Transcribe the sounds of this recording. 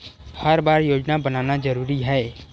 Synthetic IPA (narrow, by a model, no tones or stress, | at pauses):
hɐɾbaːɾjoːd͡ʒnabɐnaːnad͡ʒɐɾuːɾiɦɛː